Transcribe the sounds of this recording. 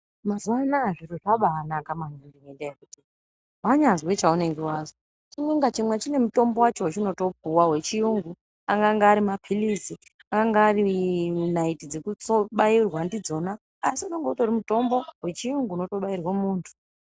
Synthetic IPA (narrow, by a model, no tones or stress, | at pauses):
mazuwanaʐiroʐaɓaːnakamanundimendaekutii | ɦaɲazwet͡ʃauneŋɡewaːzo | t͡ʃimwe̞ŋɡat͡ʃimwet͡ʃine̞muto̞mbo̞wat͡ʃowat͡ʃino̞to̞puwawe̞t͡ʃijuŋɡu | aŋɡaŋɡaːɾimapʰilisi | aŋɡaŋɡaːrinaitid͡ze̞kut͡soɓairwandid͡zo̞naː | siuno̞ŋɡotorimuto̞mbo̞ɦwe̞t͡ʃijuŋɡuːno̞to̞ɓairwamuːntʰu̥